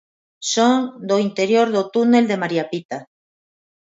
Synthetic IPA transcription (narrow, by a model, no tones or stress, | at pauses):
sond̪oint̪e̞ɾjoɾðot̪une̞ld̪e̞maɾiapit̪a